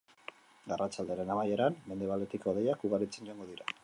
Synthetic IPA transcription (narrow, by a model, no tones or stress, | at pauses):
ɡarat͡sald̪e̞aɾe̞namaje̞ɾanme̞nd̪e̞β̞ale̞t̪iko̞ðejakuɣaɾit͡se̞nɟoaŋɡo̞ðiɾa